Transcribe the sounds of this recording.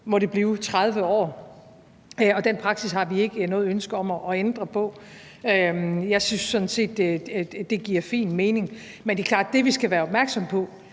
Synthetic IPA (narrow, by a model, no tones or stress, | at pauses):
mɒ̽ɾe̝b̥liːʊt͡sʰʁað̞ˠʋəɒ̰ː | ɒ̽d̥enpʰʁɑ̈ɡ̥sishɑ̈ʋie̝ɡ̥ənɔ̽ːð̩ˠønsɡ̥ɐɒ̽mɒʔɒend̥ʁɐpʰɒ̽ | øjɑ̈ɪsynsːɔ̽nse̝̰ːd̥d̥e̝ɡ̥iɐ̰fḭːnme̝ːne̝ŋ | mend̥e̝kʰlɑ̰̈ːd̥̚ːe̝ʋisɡ̥æʋæːɐɒ̽b̥mæɐɡ̥sɒ̽mpʰɒ̽